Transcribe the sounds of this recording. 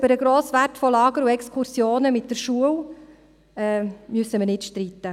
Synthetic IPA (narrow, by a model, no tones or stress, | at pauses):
b̥əɾəɡɾoːsʋærtfɔlɑːɡəɾuɛkskʰuɾsjoːnəmɪtdəɾʃuəw | ɛːmyəsəməɾnɪtʃtɾiːt̪ːə